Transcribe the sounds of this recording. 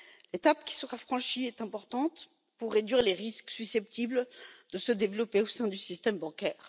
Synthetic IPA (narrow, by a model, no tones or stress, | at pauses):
let̪apkʲi̥səʁafχɑ̃ʃiɛt̪ɛ̃pɔʁt̪ɑ̃t̪ | puʁːed̪ɥiʁleʁisksysɛp̚t̪ibld̪̥əsəd̪evlɔpeosɛ̃d̪ysist̪ɛmbɑ̃kʲɛːʁ